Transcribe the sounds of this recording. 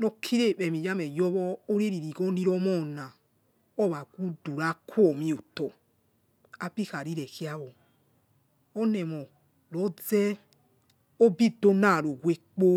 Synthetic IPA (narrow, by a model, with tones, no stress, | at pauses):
nɔ˧kʰi˦ɾe˦˨ɓɛ˨mi˨ja˦mɛ˨jɔ˦βɔ˦o˦ɾe˦ɾi˨ɾi˨ɡɔ˦ni˦ɾɔ˦mɔ˦˨na˨ | ɔ˦˨βa˨ɡʷu˦du˨ɾa˦kʰu˦ɔ˨mĩ˦o˨tɔ˨ | a˦bi˦˨ka˨ɾi˦ɾɛ˨ki˦a˦wɔ˨ | ɔ˦nɛ˨mɔ˨ | lɔ˨˦d͡zɛ˦ | o˦bi˦do˦na˦˨ɾo˨ɡwe˦k͡po˦